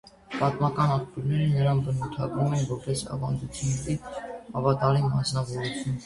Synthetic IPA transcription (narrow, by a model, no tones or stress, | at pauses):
pɑt̪mɑkɑnɑkpjuɾnɛɾənəɾɑnbənut̪ʰɑɡɾumɛnvɔɾpɛsɑ̰vɑnd͡zut͡sʰjunːɛt̪ihɑvɑt̪ɑlimɑsnɑvɔɾut͡sʰjun